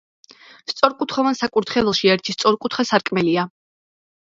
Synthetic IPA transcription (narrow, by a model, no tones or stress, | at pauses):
st̪sʼɔɾkʼut̪ʰχɔvansakʼuɾt̪ʰχɛlɛlˠʃiɛɾt̪ʰist̪sʼɔɾkʼut̪ʰχasaɾkʼmɛlia